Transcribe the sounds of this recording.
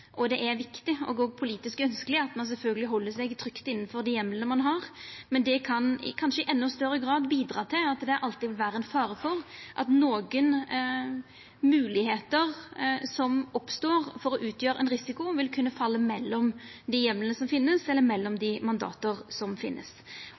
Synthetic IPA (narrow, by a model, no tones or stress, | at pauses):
ʔɔd̪ɛʔæɾʋɪkt̪ɪɔ̰ɡoːɡ̚pʰʊliːt̪ɪskœnskəlɪɑt̪mɑns̬ɛlfœlɡəlɪɦɔlːəsɛɡt̪ʰɾʏkt̪ɪnːənfɔɾd̪ɪjɛmːlənəmɑnɦɑʁmɛnd̪ɛkʰɑnɪ̰kʰɑnʂəɪʔɛnːʊst̪œɾəɡɾɑːd̪biːd̪ɾɑːt̪ʰɪlɑt̪d̪ɛæɾʔɑlt̪ɪʋɪlʋæːɾəɛnfɑːɾəfɔʁʔɑ̰t̪noːɡən | mʉːlɪɦeːt̪əʁsɔmɔpst̪oːʁfɔɾɔʔʉːt̪jøːɾəʔɛ̰nɾɪsɪkʊʋɪlkʰʉnːəfɑlːəmɛlːɔmd̪ɪjɛmlənəsɔmfɪnːəsɛlːəɾmɛlːɔmd̪ɪmɑnd̪ɑ̰ːt̪əʁsɔmfɪ̰nʔə̰s